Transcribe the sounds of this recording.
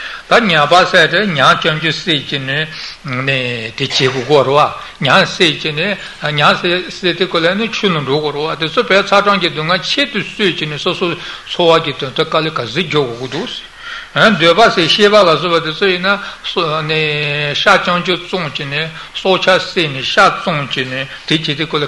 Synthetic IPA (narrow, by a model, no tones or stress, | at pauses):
t̪aɲapaset̪eɲaŋt͡ɕɑŋt͡ɕoset͡ɕinenet̪et͡ɕeːɡoɡiwaɾewa | ɲaŋseʔt͡ɕine | ɲaŋseset̪ekølajnet͡ɕʰøːnaɳɖ͡ʐoɡoɾewat̪et͡sʰopet͡sʰaʈ͡ʂɑŋcid̪uŋat͡ɕʰeːt̪usøːʔt͡ɕinesosʰot͡sʰowakit̪øt̪akalekaziʔd͡ʑoɡoɡid̪uʔs | nd̪øpaseɕepalasøpat̪et͡sʰojinːaneɕat͡ɕɑŋt͡ɕot͡soŋt͡ɕine | sot͡ɕʰaseneɕat͡soŋt͡ɕinet̪et͡ɕeːt̪ekøla